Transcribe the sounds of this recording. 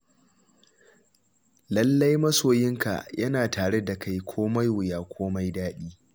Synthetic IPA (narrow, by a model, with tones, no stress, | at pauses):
lɐ˦lːɐ˦jmɐ˦soː˨jɪ˦ŋka̰˨jɐ˦naː˨taː˨ɽe˦da˨ka˦jkʷʰoː˦ma˦jwʊ˨jaː˨kʷʰoː˦ma˦jdaː˦ɗiː˦